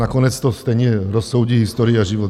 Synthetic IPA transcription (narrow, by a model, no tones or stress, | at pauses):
akɔnɛt͡st̪ɔst̪ɛjɲɛɾɔsːoʊɟiːɦist̪oɾiaʒiʋɔt̪